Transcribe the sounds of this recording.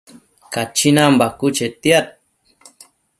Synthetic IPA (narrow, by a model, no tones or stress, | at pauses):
kat͡ʃinambakut͡ʃet̪iat̪̚